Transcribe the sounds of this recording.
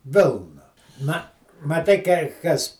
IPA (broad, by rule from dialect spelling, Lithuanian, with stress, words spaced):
ˈʋʲɪlˠnɐ nɐ mɐˈtɐɪ kɐɪ ˈkɐs